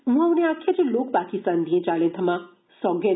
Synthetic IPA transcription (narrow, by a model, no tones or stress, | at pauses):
mũawneakʰːjad͡ʒeloːk̚pakist̪and̪ʱijẽt͡ʃaːɭẽt̪ʰɐmã | sɔɡe